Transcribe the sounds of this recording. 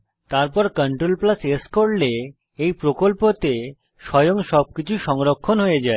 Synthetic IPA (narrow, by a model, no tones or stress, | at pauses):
t̪aɾpɔɾkəɳʈɾolplaseskoɽle | ejpɾokolpot̪e | ʃɔjoŋʃɔb̚kit͡ɕʰuʃɔŋɾokʰːonɦoed͡ʑae